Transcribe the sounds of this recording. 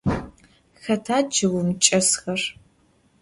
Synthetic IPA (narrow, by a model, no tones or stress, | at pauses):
xɐtʰaːd͡ʒɨwʷʊmt͡ʃʼɐsxɐr